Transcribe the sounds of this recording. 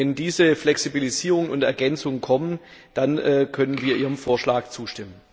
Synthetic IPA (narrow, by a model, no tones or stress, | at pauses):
ɛndiːzəflɛksibiliziːʁ̞ʊŋənʊntɛɐɡɛnt͡sʊŋənkʰɔmən | d̥anʔɛːkʰœnənviːɐʔiːʁənfoːɐʃlaːk̚t͡suːʃtɪmən